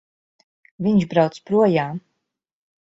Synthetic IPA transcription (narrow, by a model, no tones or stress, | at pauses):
viɲʃbɾawt̪spɾuɔjaːm